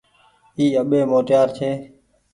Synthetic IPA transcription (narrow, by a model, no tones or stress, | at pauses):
iːəɓeːmoːt̪jaːɾt͡ʃʰeː